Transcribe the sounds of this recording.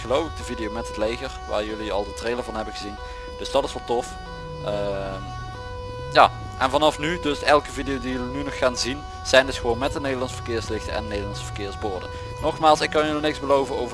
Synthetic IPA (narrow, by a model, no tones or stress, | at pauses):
ɣəlowfɪɡ̚dəvidijowmɛtɦətlejɣərʋa̰ːɹjɵliɑ̰lˠdətrejləvɑnɦɛbənɣəzin | d̥ɵsd̥ɑtɪsʋɑlˠtɔf | ə | jaː | ʔɛnvɑnɑfnydɵsɛlˠkəvidejowdijɵlinynɔxːaːnzin | z̥ɛjndɵsχəʋownmɛtdənejdəlɑnsəvərkɪːɹslɪxtəʔɛ̰nnejdəlˠɑnsə̥vərkɪːɹzbʊːɹdə̰ | nɔxmaːlˠsɪkːɑnjəlinɪksbəlowvənowvə